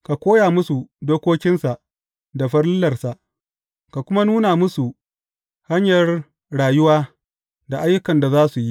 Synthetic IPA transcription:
ka˨kʷoː˦jaː˨mʊ˦su˨doː˦kʷoː˦kʲɪ˦nsa˨ʔ | da˨ɸɐ˦rlʊ˦lɐ˨rsa˨ʔ | ka˨kʷʊ˦ma˦nuː˦na˨mʊ˦su˨ | ha˦ɲjɐ˨r | ɽaː˨jʊ˦waː˦ | da˨ʔa˦jːʊ˦kɐ˨nda˨zaː˦su˨ji˦

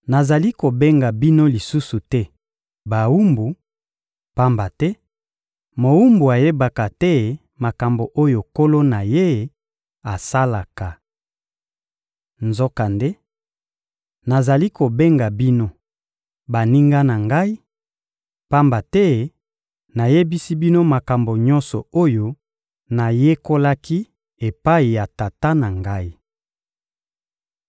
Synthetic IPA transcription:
na˨za˨li˦ko˨be˦ŋɡa˨bi˦no˦li˨su˦su˨tɛ˦ | ba˨u˦mbu˨ | pa˦mba˨tɛ˦ | mo˨u˦mbu˨a˨je˦ba˨ka˨tɛ˦˨ | ma˨ka˨mbo˨ʔo˦jo˨ko˦lo˦na˨je˦˨ | a˨sa˦la˨ka˨ | nzo˦ka˨nde˦ | na˨za˨li˦ko˨be˦ŋɡa˨bi˦no˦ | ba˨ni˦ŋɡa˦na˨ŋɡa˦i˦ | pa˦mba˨tɛ˦ | na˨je˦bi˦si˦bi˦no˦ma˨ka˨mbo˨ɲɔ˦nsɔ˨o˦jo˦ | na˨je˦ko˦la˦ki˦ | e˨pa˦i˨ja˨ta˨ta˦na˨ŋɡa˦i˦

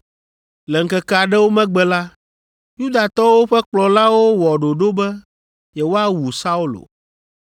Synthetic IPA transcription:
lɛ˨ŋ̩˨kɛ˦kɛ˦a˨ɖɛ˦wo˦mɛ̃˦ɡ͡bɛ˦la˦ | ju˦d̪a˨t̪ɔ˦wo˦ɸɛ˦k͡plɔ˨la˦wo˦wɔ˨ɖo˨ɖo˦bɛ˦ | jɛ˨wo˦a˦wu˨sa˦u˦lo̰˨

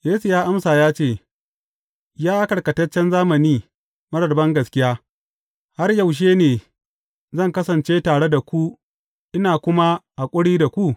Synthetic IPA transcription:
jeː˦su˨jaː˦ʔa˦msaː˨jaː˦t͡ʃeː˦˨ | jaː˦kɐ˨ɽkɐ˨tɐ˦t͡ʃːɛ˦nzaː˦mɐ˨niː˦ | mɐ˦ɽɐ˨rbɐ˦ŋɡɐ˨skʲɪ˦jaː˦ | ha˦rjɐ˨wʃ̬eː˦neː˨ | zɐ˦˨ŋkɐ˦sɐ˨nt͡ʃeː˦taː˨ɽe˦da˨kʷu˦ | ʔɪ˦naː˨kʷʊ˦ma˦ʔa˨kʷʼʊ˦ɽiː˦da˨kʷu˦ʔ

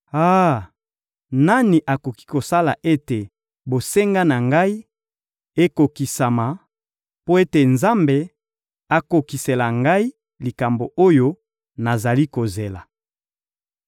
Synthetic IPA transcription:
a˦ | na˦ni˨ʔa˨ko˨ki̥˦ko˨sa˦la˨ʔe˦te˨ | bo˨se˦ŋɡa˦na˨ŋɡa˦i˦ | e˦ko˨ki˨sa˨ma˨ | po˦e˦te˨nza˦mbe˨ | a˨ko˨ki˨se˨la˨ŋɡa˦i˦ | li˨ka˨mbo˨ʔo˦jo˦ | na˨za˨li˦ko˨ze˨la˨

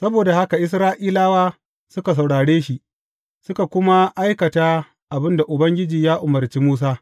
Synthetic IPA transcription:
sɐ˦boː˨da˨ha˦ka˨ʔɪ˦s̬ɾaː˦ʔiː˦laː˦waː˦ | sʊ˦ka˨s̬ɐ˨wɽaː˨ɽeː˦ʃi˨ʔ | sʊ˦ka˨kʷʊ˦ma˦ʔa˦jkɐ˨taː˦ | ʔa˨bɪ˦nda˨ʔʊ˨bɐ˦ŋɡʲɪ˦d͡ʒiː˨jaː˦ʔʊ˨mɐ˨rt͡ʃiː˦muː˦s̬aː˦

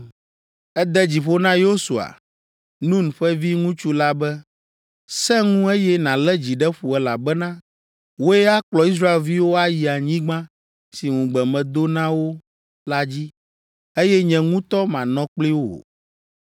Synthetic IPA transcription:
ɛ˦d̪ɛ˦d͡ʑi˨ɸo˦nã˦jo˦su˨a̰˨ | nũ˦n˨ɸɛ˦vi˦ŋũ˦t͡ʃu˦la˦bɛ˦ | sɛ̃˦ŋũ˦e˦jɛ˦nã˨lɛ˦d͡ʑi˨ɖɛ˦ɸu˨ɛ˨la̰˨bɛ˦nã˦ | wo˦ɛ˦a˦k͡plɔ˨i˦s̬ɾa˦e˨lvi˦wo˦a˦ji˨a˨ɲĩ˦ɡ͡bã˦ | si˨ŋũ˨ɡ͡bɛ˨mɛ̃˨d̪o˦nã˦wo˦ | la˦d͡ʑi˦ | e˦jɛ˦ɲɛ̃˨ŋũ˦t̪ɔ˦mã˨nɔ̃˦k͡pli˦wo˦o̰˨

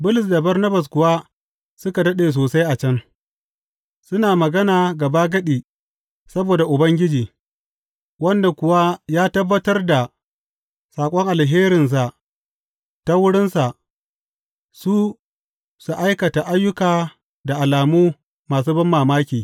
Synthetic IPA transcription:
bʊ˦lʊ˨s̬da˨bɐ˦rnɐ˦bɐ˨s̬kʷʊ˨wa˦ | sʊ˦ka˨dɐ˦ɗeː˨s̬oː˨sa˦jʔa˨t͡ʃɐ˦ŋ | sʊ˦naː˨mɐ˨ɡɐ˦naː˨ɡɐ˨baː˦ɡɐ˦ɗiː˨ | sɐ˦boː˨da˨ʔʊ˨bɐ˦ŋɡʲɪ˦d͡ʒiː˨ | wɐ˦nda˨kʷʊ˨wa˦jaː˦tɐ˦bːɐ˦tɐ˦rda˨ | saː˨kʷʼɔ˦ŋʔa˨lɦeː˦ɾɪ˨ns̬a˨ʔ | ta˦wʊ˦ɽɪ˦nsa˨ʔ | suː˦ | su˨ʔa˦jkɐ˨ta˨ʔa˦jːʊ˦kaː˨ | da˨ʔa˨laː˨muː˦ | maː˨s̬uː˦bɐ˦mːaː˨maː˦kʲiː˨

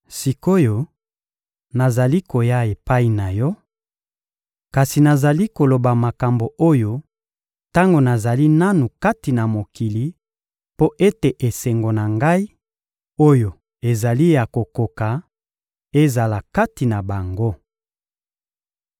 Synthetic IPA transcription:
si˨ko˦jo˨ | na˨za˨li˦ko˨ja˦e˨pa˦i˨na˨jɔ˦ | ka˨si˨na˨za˨li˦ko˨lo˨ba˨ma˨ka˨mbo˨o˦jo˨ | ta˦ŋɡo˨na˨za˨li˦na˦nu˨ka˦ti˨na˨mo˨ki˨li˨ | po˦ʔe˦te˨ʔe˨se˨ŋɡo˨na˨ŋɡa˦i˦ | o˦jo˨ | e˨za˨li˦ja˨ko˨ko˨ka˨ | e˦za˨la˨ka˦ti˨na˨ba˨ŋɡo˦

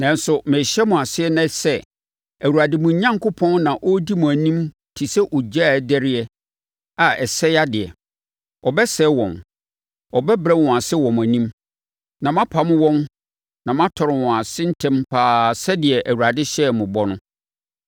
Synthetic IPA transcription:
nã˨n˦sʊ˨mɪ̃˨ɕɛ˦mʊ̃˨a˨sɪ˦ɛ˦nã˦sɛ˦ | æ˨wu˨ɾa˨dɪ˦mʊ̃˨˦ɲã˦ŋkʰʊ˦pʰɔ̃˦nnã˨ʔɔ˦di˦mʊ̃˨æ˨nĩ˦m | tʰi˨sɛ˦ʔɔ˨d͡ʑa˦˨dæ˦ɾɪ˦ɛ˦ | a˨ɛ˨sɛ˦ja˦dɪ˨ɛ̰˨ | ɔ˨bɛ˦sɛ˦wɔ̰̃˨m | ɔ˨bɛ˦bɾɛ˦wɔ̃˨a˨sɪ˦wɔ̃˨m˨æ˨nĩ˦m | nã˨mã˦pʰa˨mʊ̃˦wɔ̃˦n | nã˨mã˦tʰɔ˨ɾɪ˨wɔ̃˨a˨sɪ̃˦n̩˦tʰɛ̃˦mpʰaː˦sɛ˦dɪ˨ɛ˨ʔæ˨wu˨ɾa˨dɪ˦ɕɛ˦˨mʊ̃˨bɔ˦nʊ̃˦

